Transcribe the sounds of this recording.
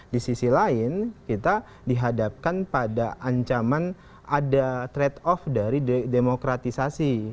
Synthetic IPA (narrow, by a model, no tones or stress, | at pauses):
disisilaɪnkit̪a | diɦadap̚kanpadaʔaɲt͡ʃaman | ʔadat̪ɾɛt̪ɔfdaɾidemokɾat̪isasi